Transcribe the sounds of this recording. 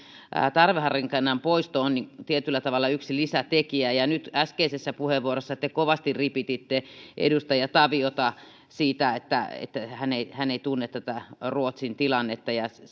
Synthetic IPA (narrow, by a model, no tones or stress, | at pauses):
ʔt̪ɑrʋehɑriŋkɑnːɑmpoist̪oonniŋt̪iet̪ylːæt̪ɑʋɑlːˑɑyksilisæt̪ekiæjɑnyt̪æskeisesːæpuheʋʋuorosːɑt̪ekoʋɑst̪iripit̪it̪ːeʔḛdust̪ɑjɑt̪ɑʋiot̪ɑ | siːt̪æet̪ːæ̰ḛt̪ːæhæneihæneit̪unːet̪t̪æt̪æruot̪sint̪ilɑnːet̪ːɑjɑ